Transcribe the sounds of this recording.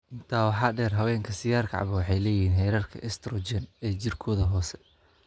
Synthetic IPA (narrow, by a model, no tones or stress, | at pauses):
ʔɪnt̪ʰaːwɑħɑːɖɛːrɦɐwɛːŋkʰɐsɪjaːrkʰɑ̰ʕβɐwɑħɑjlɛːjɪhiːnɦɛjɾɐrkʰɐ̰ʔɛst̪ɾɔd͡ʒɛnɛːt͡ʃɪrkʰɔːðɐɦɔːsɛ